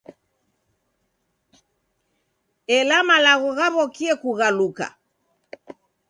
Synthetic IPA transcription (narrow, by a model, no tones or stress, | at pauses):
ɛlamalaɣɔɣaβɔkiɛkuɣaluka̰